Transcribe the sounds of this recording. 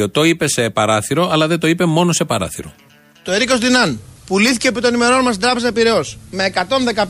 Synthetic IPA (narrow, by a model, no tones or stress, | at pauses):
ot̪oipe̞se̞pɐɾɐθiɾo̞ɐlɐðent̪o̞ipe̞mo̞nose̞pɐɾɐ̰θḭɾo̞̰ | t̪o̞eɾiko̞sðinɐnpuliθiceːpit̪o̞nime̞ɾo̞nmɐstd̪ɾɐpe̞zɐpiɾe̞o̞sme̞ːkɐt̪o̞nðe̞kɐ